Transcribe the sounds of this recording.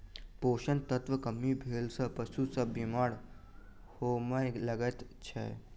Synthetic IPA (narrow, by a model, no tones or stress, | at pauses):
poːʃənt̪ət̪ʋəkɐmːibʱeːlsɐpɐsusɐbimaːɽ | hoːməjlɐɡət̪t͡ʃʰḛ